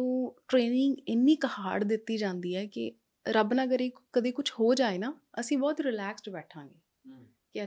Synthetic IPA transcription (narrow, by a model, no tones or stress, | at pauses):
oːʈɾeːnɪŋɡɪnːiːkəhaːɖd̪ɪt̪ːiːd͡ʒãːnd̪iːɛːkɪ̰ | ɾəbnaəɡəɾeːkkəd̪eːkʊt͡ʃʰhoːd͡ʒaːeːnaːəsĩːbɔːt̪ɾɪlɛːksʈbɛːʈʰãːŋɡeː | kɪə